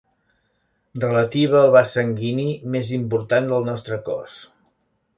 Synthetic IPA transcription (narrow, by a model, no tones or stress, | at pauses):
rrələt̪iβ̞əːlˠβasəŋɡinimezimpuɾt̪and̪əlˠnɔst̪ɾəkɔ̰s